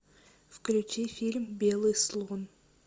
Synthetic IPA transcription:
fklʲʉt͡ʃifʲilʲmbʲelˠɨsɨlˠʁun

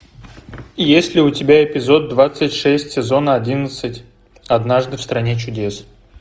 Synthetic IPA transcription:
ijesʲlʲɪʊtʲɪbʲaɪpʲɪzo̞d̪̚ːvat̪sɨtʲʂɛsʲtʲsʲɪzo̞nəɐdʲinət̪sɨtʲ | ɐd̪naʐd̪ɨfst̪ɾɐnʲet͡ɕʊdʲe̞s

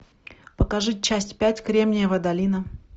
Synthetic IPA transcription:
pəkɐʐɨt͡ɕːæsʲtʲpʲætʲkɾʲemnʲɪjəvəd̪ɐlʲinə

